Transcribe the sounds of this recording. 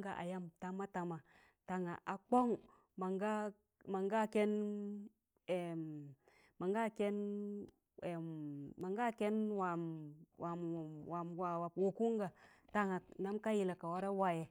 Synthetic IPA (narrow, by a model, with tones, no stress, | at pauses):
ɡa˨ʔa̰˨ja˦mta˨ma˦ta˨ma˨ | ta˨ŋa˨ʔa˨k͡po˦ŋ | ma˨ŋɡa˦ | ma˨ŋɡa˦˨ke˦n | e˨m | ma˨ŋɡa˦˨ke˦n | eː˨a˨ŋɡa˦ke˦nwa˨wa˨wa˨mwa˨wa˨wo˨ku˦ŋɡa˨ | ta˨ŋa˨na˦mka˦ji˨la˨ka˨wa˦ɾa˦wa˨je˨